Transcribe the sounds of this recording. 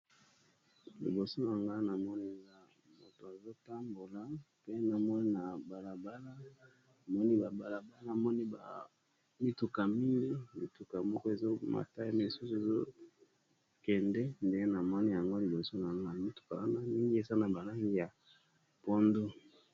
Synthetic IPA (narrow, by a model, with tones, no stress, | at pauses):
lḭ˨bo˨so˦na˨ŋɡa˦na˨mɔ˦ni˦za˦ | mo˨to˨a˨zo˦ta˦mbo˨la˨ | pe˦na˨mɔ˦ni˦na˨ba˨la˨ba˦la˦ | a˨mɔ˦ni˦ba˨ba˨la˨ba˦lna˨mɔ˦ni˦ba˨ | mi˦tu˨ka˨mi˦ŋɡi˦mi˨tu˨ka˨mɔ˦kɔ˦e˨zo˦ma̰˨ta˦i˦me˨su˦su˨e˨zo˦ | kɛ˨ndɛ˦nde˦e˦na˨mɔ˦ni˦ja˨ŋɡo˦li˨bo˨so˦na˨ŋɡa˦˨mi˦tu̥˨ka˨wa˦na˦mi˦ŋɡi˦e˨za˦na˨ba˨la˦ŋi˦ja˨ | po˦ndo˦